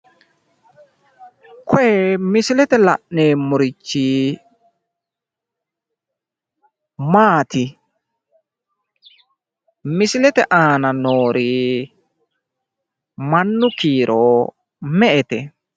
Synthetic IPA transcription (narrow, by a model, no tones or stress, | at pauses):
kʰɔjɛmɪsɪlɛt̪ɛlɐ̰ʔneːmʊɾɪt͡ʃːi | maːt̪ɪ | mɪsɪlɛt̪ɛʔaːnɐnoːɾiː | mɐnːʊkiːɾʔoː | mɛʔɛt̪ɛ